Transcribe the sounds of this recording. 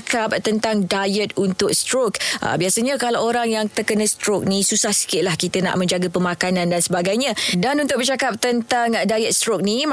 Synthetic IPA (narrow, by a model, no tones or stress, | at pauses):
kap̚t̪ənt̪aŋdajət̪̚unt̪ʊk̚st̪ɾokʔə̰biasəɲəkalaoɾaŋjaŋt̪ərkənə̃st̪ɾok̚nisusahsi̥kɪʔ̚lahkit̪əna̰ʔmə̃ɲd͡ʒaɡapəmakanãndansəbaɡajɲadanunt̪ʊk̚bərt͡ʃakap̚t̪ənt̪aŋdajət̪̚st̪ɾok̚nim